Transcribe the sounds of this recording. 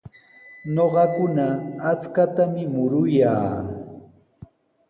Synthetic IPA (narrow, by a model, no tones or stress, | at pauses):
ɲoɢɑkʊnaːt͡skat̪amɪmʊɾʊjaː